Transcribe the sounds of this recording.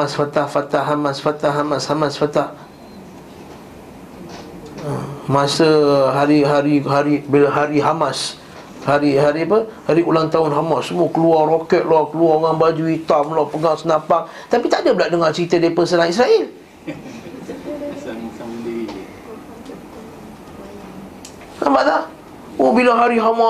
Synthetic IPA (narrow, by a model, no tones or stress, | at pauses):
aasfat̪ahfat̪aɦamasfat̪ahɦamashamasfat̪ah | əmãsəɦaɾiɦaɾiɦaɾibilaɦaɾiɦamas | haɾiɦaɾipəhaɾiʔulaŋt̪aʊnɦamasːəmuɔkəluarokɛt̪̚lɔkəluaŋaŋbad͡ʒuit̪amlɔpəɡaʔsənãpaŋ | t̪apit̪adabəlaʔdəŋat͡ʃəɾit̪ədapəsənaŋisɾaʔil | ambaʔlah | ohbilaɦaɾiɦama